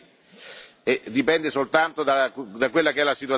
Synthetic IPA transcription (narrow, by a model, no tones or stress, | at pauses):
ed̪ipɛnd̪esolt̪ant̪od̪ad̪akːwelːakeɛlːasit̪wa